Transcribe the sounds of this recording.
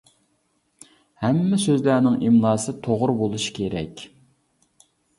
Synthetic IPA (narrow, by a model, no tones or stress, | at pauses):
hɛmːɪsøzlæɾnɪŋʔimlˠɑːsɨt̪ʰoʁʊɾbolˠuʃi̥kʲʰeɾɛ̰kʲ